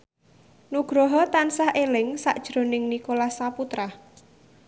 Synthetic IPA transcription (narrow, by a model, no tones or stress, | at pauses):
nuɡ̥ɾɔɦɔt̪ansahʔelɪŋsa̰ʔd̥ʒ̥ɾonɪŋnikolahsaput̪ɾah